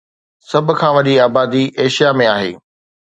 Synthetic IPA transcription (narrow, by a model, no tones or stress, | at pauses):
sɐbʱʊ̆kʰãːʋɐʄiaːbaːd̪iʔeːʃijamẽaːɦḛː